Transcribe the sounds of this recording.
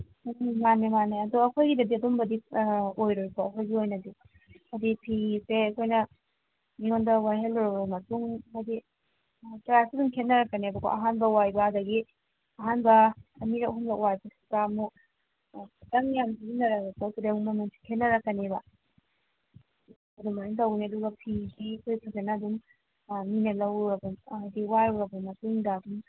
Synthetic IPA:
manemaneɐduɐkʰojɡidɐdiɐdumbɐdiojɾojkoɐkʰojɡiojnɐdi | ɐdipʰiseɐkʰojnɐ | niŋondɐwajɦelɾoɾomɐtuŋɐdi | tɾasiduŋkʰetnɐɾɐkːɐnebɐkʰo̰ʔɐɦanbɐwajbɐɐdɐɡi | ɐɦanbɐːmiɾaʔɦumlakwajbɐsi̥kamu | tɐŋjamdiɡinɐɾaatotudeŋumɐnuŋsʰi̥kʰetnɐɾɐkːɐnebɐ | ɐdumajiŋtɐwneduɡɐpʰisikʰojkʰakʰenaduŋ | minɐlɐwɾɐbɐdiwaɾwɾɐbɐmɐtuŋdaːduŋ

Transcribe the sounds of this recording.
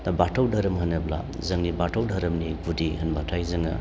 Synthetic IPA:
nabatʰawdʱaɾɐmɦɐnɐbla̰ | zɐŋnibatʰawdʱaɾɐmniɡudihɐnbatʰajzɐŋɐ̰

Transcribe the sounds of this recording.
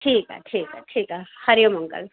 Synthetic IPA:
ʈʰiːka̰ʈʰiːkaʈʰiːkahɐɾjomuŋkə̰l

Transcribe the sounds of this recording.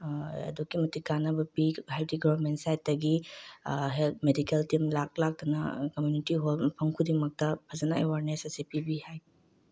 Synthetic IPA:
ɐ̰dukːimɐtikːanɐbɐpiɦajdiɡaɐɾmentsajt̚dɐɡi | ɦelmedikeltimlak̚lak̚tɐnɐ̰kɐmjunitiɦolpʰɐŋkʰudimɐk̚tɐpʰɐzɐnɐewaɾnesɐsipibihajb

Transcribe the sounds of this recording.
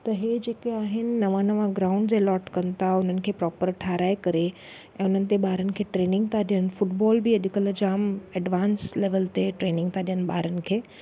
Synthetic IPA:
t̪əɦed͡ʒeːkeaːɦɪnnɐʋanəʋãɡɾaʊ̃ɳɖd͡ʑelɔːʈkɐnt̪aʊn̤ənɪ̆kʰepɾɔːpəɾʈʰaːɾaːjkəɾe | ɛ̃ʊn̤ənɪ̆t̪ebaːɾənkʰeʈɾeːnɪ̃ŋɡ̚t̪aɗjənfʊʈbɔːlbʱiəɗ̪ikələd͡ʒaːmɛɖʋaːnsleʋəlt̪eʈɾeːnɪ̃ŋɡt̪aɗjənba̰ːɾən̆kʰeː

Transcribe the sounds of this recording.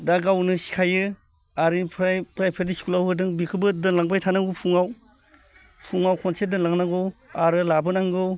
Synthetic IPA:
daɡawnɯsi̥kʰajɯ | aɾipʰɾpɾajpʰediskulawhɯdɯŋbikʰɯbɯdɯnlaŋpajtʰanaɡupʰuŋaw | pʰuŋawkʰɔnsedɯnlaŋnaɡuwaɾɯlabɯnaŋɡɯw

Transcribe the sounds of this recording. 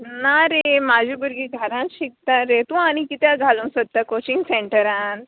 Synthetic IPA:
naɾemad͡ʑʱiːbəɾɡiːɡʱəɾãnɕik̚t̪aɾet̪ũaɽ̃ikit̪jaɡʱalũnsət̪̚t̪ːakot͡ɕiŋɡseɳʈəɾãn

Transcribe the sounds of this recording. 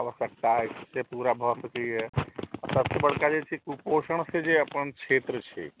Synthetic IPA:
aʋəsək̚t̪aɪsepuːɾabʱɔsəkeɦɛɔt̪əbsebəɽ̤kad͡ʒet͡ʃʰikupoːʃəɳ̃sẽd͡ʒeəpəɳkʰeːt̪ɾət͡ʃʰḛ

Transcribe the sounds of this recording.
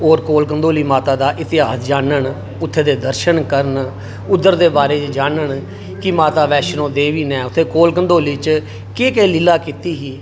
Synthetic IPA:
oːɾkoːlkənd̪oːliːmaːt̪aːd̪aːʔɪt̪ɪɦaːsd͡ʒaːnəɳ | ʊt̪ʰːeːd̪eːd̪əɾʃənkəɾən | ʊd̪ːəɾd̪eːbaːɾeːt͡ʃd͡ʒaːnəɳ | kɪmaːt̪aːʋɛːʃənõːd̪eːʋiːnɛːʊt̪ʰːeːkoːlkənd̪oːliːt͡ʃ | keːkəːlɪlaːkɪt̪iːɦiː

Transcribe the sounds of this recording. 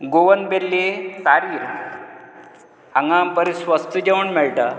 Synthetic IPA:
ɡoʋənbelːesaɾiːɾ | haŋɡampəɾisʋəst̪ʰəd͡ʑeʋəɳmɛɭʈa

